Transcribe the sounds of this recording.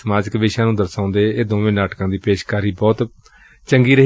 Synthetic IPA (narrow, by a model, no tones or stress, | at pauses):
əmaːd͡ʒəkʋeːʃãːnũːd̪əɾsãːʊ̃nd̪eːeːd̪õːʋẽːnaːʈkãːd̪iːpeːʃkaːɾiːbɔːt̪ | t͡ʃəŋɡiːɾəɦ